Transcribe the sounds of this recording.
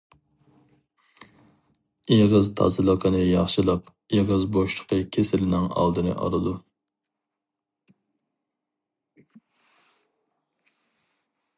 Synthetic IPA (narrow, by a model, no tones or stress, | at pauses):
iʁəzt̪ʰɑ̰zɨlˠəqənɨjɑχʃɨlˠɑp | iʁəzboʃlʰə̥qʰəkʲʰesɪlɪnɪŋɑ̰lˠd̪ɨnɨ̰ʔɑ̰ɾˠɨd̪u